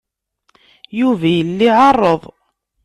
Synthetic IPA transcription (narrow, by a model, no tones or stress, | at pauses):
juvæjəlːiʕɑrˤːəðˤ